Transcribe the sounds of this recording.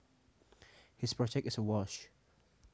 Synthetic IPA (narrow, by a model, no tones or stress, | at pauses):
hɪspʰɹ̥ɔd͡ʒɛk̚tɪsəwɔʃ